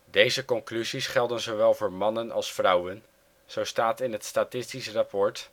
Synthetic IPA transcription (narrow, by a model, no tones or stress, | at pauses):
dejzəkɔŋklyzisχɛlˠdənzowʋɛlˠvoːɹmɑnənɑ̰lˠsfrʌwən | z̥owstaːtɪnətstaːtɪstisərapɔɹt